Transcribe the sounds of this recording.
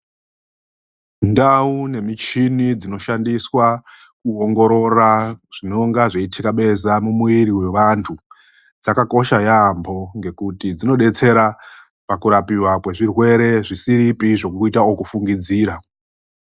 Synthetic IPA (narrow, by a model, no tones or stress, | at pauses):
ndaune̞mit͡ʃinid͡zino̞ʃandiswa | kuoŋɡo̞ɾo̞raʐ̥ino̞ŋɡaʐeitʰikaɓe̞zamumuiɾiwe̞ʋantʰu | d͡zakako̞ʃajambʱo̞ŋɡe̞kutid͡zino̞ɗe̞t͡se̞ɾa | pakuɾapiwakwe̞ʐirwe̞ɾe̞ʐisiɾipiʐo̞kuitaokufuŋɡid͡ziːɾa